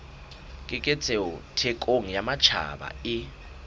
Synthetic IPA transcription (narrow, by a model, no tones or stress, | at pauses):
kʼɪkʼɛt͡sʰʼɛɔtʰɛkʼoŋ̩jamat͡ʃʰa̰ɓa̰ɪ